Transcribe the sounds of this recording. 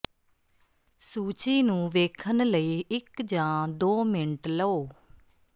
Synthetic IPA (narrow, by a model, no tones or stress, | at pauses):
suːt͡ʃiːnũːʋeːkʰənləiːɪkd͡ʒãːd̪oːmɪnʈləoː